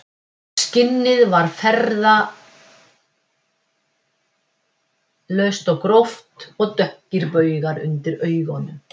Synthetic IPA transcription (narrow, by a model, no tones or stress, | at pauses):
scɪnːɪðvaɾ̥fɛɾða | lœɥst̪ɔɣkɾoft̪ɔɣt̪œhcɪɾpœːɥɣaɾʏ̰nt̪ɪɾœːɥɣɔnːʏm